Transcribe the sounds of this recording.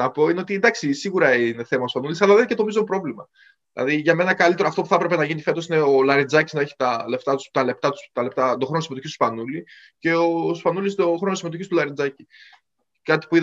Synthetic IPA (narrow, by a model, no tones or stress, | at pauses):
ɐpo̞ineo̞t̪ind̪ɐksisiɣuɾɐine̞θe̞mɐtspɐnulisɐlɐðencet̪omizo̞pɾo̞vlimɐ | ðilɐ̰ðiʝɐme̞nɐkɐlit̪eɾoɐft̪o̞puθɐpɾe̞pe̞nɐʝinife̞t̪o̞sine̞olɐɾid͡zɐciznɐeçi̥t̪ɐle̞ft̪ɐt̪u̥st̪ɐle̞pt̪ɐt̪u̥st̪ɐle̞pt̪ɐt̪oxɾo̞nosimeoçist̪u̥spɐnuli | ce̞ospɐnulist̪o̞xɾo̞nosime̞t̪o̞çist̪ulɐɾid͡zɐci | kɐt̪i̥pui